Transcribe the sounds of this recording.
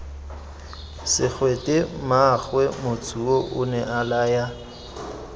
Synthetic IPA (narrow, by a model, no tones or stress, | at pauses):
sɪk͡xʰwetʼɪmaχwɛmʊt͡sʰʼuoʔʊnɛʔalaːja